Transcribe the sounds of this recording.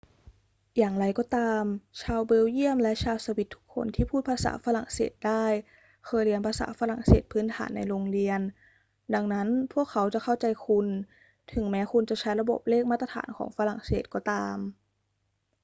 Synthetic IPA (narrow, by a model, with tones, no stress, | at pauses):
jaː˨˩ŋɾa˧jkɔː˧˩t̪aː˧mt͡ɕʰaː˧wbe˧˥wji˥˩əmlɛ˦˥ʔt͡ɕʰaː˧wsa˧wi˨˩t̪ʰːu˦˥kʰːo̰˧nt̪ʰiː˥˩pʰuː˥˩t̪̚pʰaː˧sa̰ː˩˦fa˧ɾa˨˩ŋsḛː˨˩t̪̚daː˥˩j | kʰɤː˧jɾi˧ənpʰaː˧sa̰ː˩˦fa˧ɾa˨˩ŋseː˨˩t̪̚pʰɯː˦˥nt̪ʰa̰ː˩˦nːa˧jɾoː˧ŋɾi˧ən | da˧ŋna˦˥npʰu˥˩əkʰːa˦˥wt͡ɕa˨˩kʰa˥˩wt͡ɕa˧jkʰu˧n | t̪ʰɯ˩˦ŋmɛː˦˥ku˧nt͡ɕa˨˩t͡ɕʰa˦˥jɾa˧bo˨˩p̚leː˥˩k̚ma˥˩t̪̚ːa˧t̪ʰa̰ː˩˦nkʰɔ̰ː˩˦ŋfa˧˥ɾa˨˩ŋsḛː˨˩t̪̚kɔː˧˩t̪aː˧m